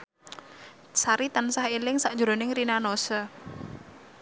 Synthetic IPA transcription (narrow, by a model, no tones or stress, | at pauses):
saɾit̪ansahelɪŋsaʔ̚d͡ʒ̥uɾonɪŋrinanosɔ